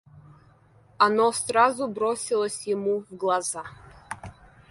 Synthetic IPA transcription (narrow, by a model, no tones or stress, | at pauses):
anosrazubɾosʲilˠəsʲjɪmuvɡlˠaza